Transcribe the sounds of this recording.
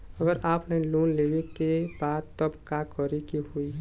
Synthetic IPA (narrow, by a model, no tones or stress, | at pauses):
əɡəɾʔaːpʰnaĩlunlebikebaːd̪̚t̪əbkakɔɾekihui